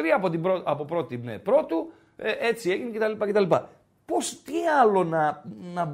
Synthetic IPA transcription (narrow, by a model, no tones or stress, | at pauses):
ɾiɐpot̪ibɾoɐpo̞pɾo̞t̪inḛpɾo̞t̪u | eʔe̞t͡sieʝinece̞t̪ɐlipɐce̞t̪ɐlipɐ | po̞st̪iɐlo̞nɐnɐ